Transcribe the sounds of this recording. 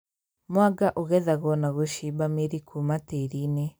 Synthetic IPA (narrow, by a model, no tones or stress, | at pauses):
mwaɡaʔoɣɛðaɣɔnaɣoʃibameɾikʰumateɾine